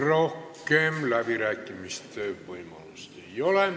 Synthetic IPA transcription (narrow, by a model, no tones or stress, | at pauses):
rohkːeːmlæpirækːimist̪t̪øyʋpoimɑlust̪ejolem